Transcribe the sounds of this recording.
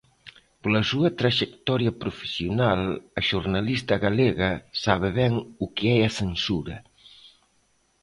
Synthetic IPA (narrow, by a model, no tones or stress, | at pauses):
polɐsuɐt̪ɾaʒekt̪ɔɾjɐpɾufe̥siunalɐʒuɾnalist̪ɐɣaleɣɐsaβ̞eβɛŋukeɛɐsensuɾɐ